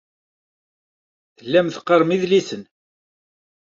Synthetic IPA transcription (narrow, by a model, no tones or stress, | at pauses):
θəlːæmθqːəɾˤmiðlisən